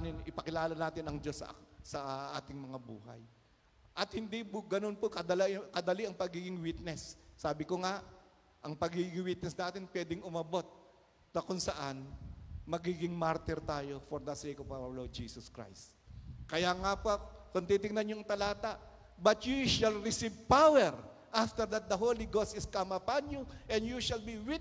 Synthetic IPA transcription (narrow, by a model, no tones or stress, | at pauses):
nɪnɪpɐkɪlaːlɐnaːt̪ɪnɐŋd͡ʒo̞sɐ̰sɐʔaːt̪ɪŋmɐŋabuːɦɐ̰j | ʔɐt̪hɪnd̪ibɡɐno̞npokɐd̪ɐlakɐd̪ɐliʔɐŋpɐɡiːɡɪŋwit̪̚nɛsːaːbɪkoŋaʔ | ʔɐŋpɐɡiɡɪŋwit̪̚nɛsnaːt̪ɪnpwɛːd̪ɪŋʊmɐbo̞t̪̚ | nɐkʊŋsɐʔanmɐɡiːɡɪŋmaɾt̪ɪɾt̪aːjofɔɾd̪ɐsejkɔvawɐɹloɹd̪̚d͡ʒiːsɔskɹa̰jst̪kɐjaŋapakʊnt̪it̪ɪŋnɐnɲoɐŋt̪ɐlaːt̪aʔ | bɐt̪juʃɐlɾɪsivpawɛɹ | ʔaft̪ɛɾd̪ɐt̪̚d̪ɐɦoliɡosɪskamɐpanjuʔɛnjuʃɐlbiwit̪